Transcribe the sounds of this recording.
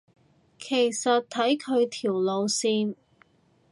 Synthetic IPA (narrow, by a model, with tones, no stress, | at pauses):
kʰe˨˩jsɐ˨t̚t̪ʰɐ˨˥jkʰɵ˨˧ɥt̪ʰiː˨˩wlo˨˧wsiː˧n